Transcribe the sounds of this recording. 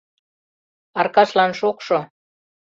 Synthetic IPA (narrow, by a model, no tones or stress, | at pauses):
ɑrkɑʃlɑnʃokʃo